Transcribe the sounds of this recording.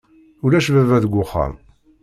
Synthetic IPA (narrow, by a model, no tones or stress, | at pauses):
ʊlæʃvævæðəɡʷːʊχə̰ɾˤ